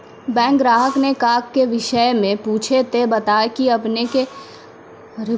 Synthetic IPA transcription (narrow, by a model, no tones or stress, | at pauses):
bɛ̃ːɡɾaːɦəknekaːkːeʋɪʃəjmẽpuːt͡ʃʰet̪ebɐt̪aːekiɐpneke | ɾɪ